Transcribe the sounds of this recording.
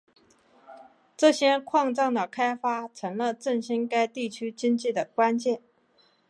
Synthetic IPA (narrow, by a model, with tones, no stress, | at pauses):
ʈ͡ʂɤ˥˩ɕjɛ˥kʰwɑ˥˧ŋʈ͡ʂɑ˥˩ŋd̪ə˩kʰa˥ɪfa˥ʈ͡ʂʰɤ˧˥ŋlə˧ʈ͡ʂə˥˩ŋɕi˥ŋka˥ɪt̪i˥˩t͡ɕʰy˥t͡ɕi˥ŋt͡ɕi˥˩d̪ə˩kwa˥nt͡ɕjɛ˥˩n